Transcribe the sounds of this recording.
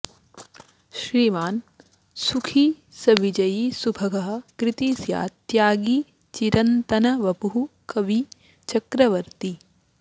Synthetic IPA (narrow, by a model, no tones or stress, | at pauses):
ʃɾiːmaːn | sukʰi | sɐʋid͡ʒɐjisubʱɐɡʱɐɦɐ̆kɾit̪iːsja̰ːt̪jaːɡi | t͡ʃiɾɐnt̪ɐnɐʋɐbuɦukɐʋi | t͡ʃɐkɾɐʋɐɾt̪i